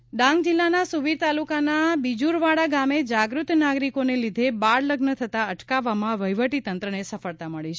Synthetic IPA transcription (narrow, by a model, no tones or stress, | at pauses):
ɖãŋɡ̚d͡ʒɪlːanasuʋiɾt̪alukanabid͡ʒuɾʋaɽaɡamed͡ʒaɡɾut̪naɡɾikonelid̪ʱebaɾləɡnət̪ʰət̪aəʈkaʋːamãʋəjʋəʈit̪ənt̪ɾənesəfəɭt̪aməɭit͡ʃʰe